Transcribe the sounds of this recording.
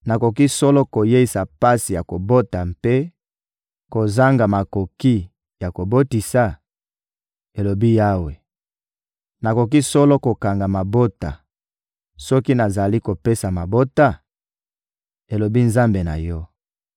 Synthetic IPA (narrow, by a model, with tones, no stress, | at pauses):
na˨ko˨ki˦sɔ˦lɔ˦ko˨je˦i˨sa˨pa˦si˨ja˨ko˨bo˦ta˨mpe˦ | ko˨za˦ŋɡa˨ma˨ko˨ki˦ | ja˨ko˨bo˦ti˨sa˨ | e˨lo˨bi˦ja˦we˨ | na˨ko˨k̬i˦sɔ˦lɔ˦ko˨ka˨ŋɡa˨ma˨bo˦ta̰˨ | sɔ˦ki˦na˨za˨li˦ko˨pe˦sa˨ma˨bo˦ta˦˨ | e˨lo˨bi˦nza˦mbe˨na̰˨jɔ˦